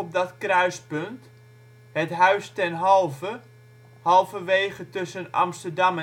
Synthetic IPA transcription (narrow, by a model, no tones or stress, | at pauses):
ɔp̚dɔtkrœɥspønt | hətɦœɥstɛnɦɔlˠvə | hɑlˠvəʋeːχətɵsənɑ̰mstərdɑm